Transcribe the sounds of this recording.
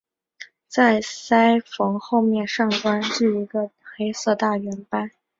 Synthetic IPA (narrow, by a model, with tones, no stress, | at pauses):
t͡sa˥˩ɪsa˥ɪfɤ˧˥ŋxo˥˧ʊmjɛ˥˧nʂɑ˥˩ŋtwa˥nʈ͡ʂy˥˩i˧˥ɡə˧xe˥ɪsɤ˥˧t̪a˥˩ɥɛ˧˥npa˥˩n